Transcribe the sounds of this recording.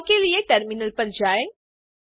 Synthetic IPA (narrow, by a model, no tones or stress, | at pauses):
kelieʈɐɾmɪnəlpɐɾd͡ʒaːe